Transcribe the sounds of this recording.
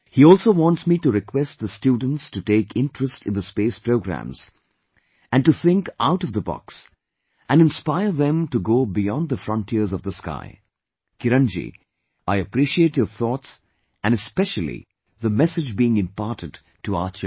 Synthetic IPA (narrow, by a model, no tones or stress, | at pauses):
hiɔːlˠsoʊwɑ̃ntsmituɾɪkʰwɛst̪̚ðəstjudⁿn̩tstuʈeɪkʰɪ̃nʈɹəstʰɨ̃nðəspeːspɹoʊɡɹæ̰̃mz̥ | æ̃nʈuθɪ̃ŋka̰ʊɾʌvðəbɔ̰ks | ʔæ̃nɨ̃nspaɪə˞ðɛ̃mtuɡoːbijɔ̃nd̪ðəfɾʌ̃ntʰiəɾzʌvðəska̰ɪ | kɪɾʌ̃nd͡ʒḭ | aɪəpɾiʃietjəθɔts | ɨ̃nɨspɛʃəl̩ˠḭ | ðəmɛsɨd͡ʒbiɪ̃ŋɪ̃mpɑɾtɨd | tuat͡ʃ